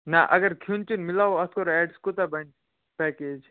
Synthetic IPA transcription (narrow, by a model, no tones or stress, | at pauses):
naʔɐ̰ɡəɾkʰunt͡ʃunmilaːoɐt̪ʰkoɾɛːɖskot̪abən | pɛked͡ʒ